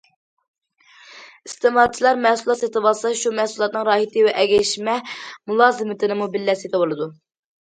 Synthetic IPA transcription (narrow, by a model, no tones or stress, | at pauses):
ist̪ɨmɑt͡ʃʰilˠɑɾmɛhsulˠɑt̪et̪ɨbɑlˠsɑʃumɛhsulˠɑt̪̚nɨŋɾɑːhit̪ʰɨwɛʔɛɡʲɛʃmɛmulˠɑːzɨmɪt̪ʰɪnɪmubɪlːɛsid̪ɛbolˠɨd̪u